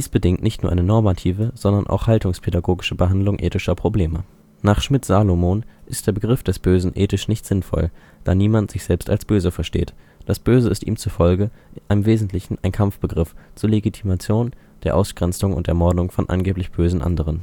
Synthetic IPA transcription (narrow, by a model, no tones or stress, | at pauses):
d̥iːsb̥ədɪŋtnɪçtnuːɐʔaɪnənɔɐmatʰiːvəz̥ɔndɐnʔa̰ʊxhaltʊŋspʰedaɡoːɡɪʃəbəɦandlʊŋʔḛːtɪʃɐpʁ̥obleːmə | naːχʃmɪtz̥aːlomoːnʔɪst̚d̥eːɐbəɡʁɪfd̥ɛsb̥øːzn̩ʔeːtɪʃnɪçtz̥ɪnfɔ̰l | d̥aːniːmantz̥ɪçz̥ɛlpsta̰lsb̥øːzəfɛɐʃtḛːt | d̥asb̥øːzəɪstʔḭːmt͡sufɔlɡəʔaɪnəmveːzn̩tʰlɪçn̩aɪnkʰamfb̥əɡʁɪft͡suːɐleɡitʰimat͡sjoːn | d̥eːɐʔaʊsɡ̥ʁɛnt͡sʊŋʊ̰ntd̥eːɐmɔɐdʊŋfɔnʔa̰nɡeːplɪçb̥øːzn̩ʔa̰ndəʁ̞ən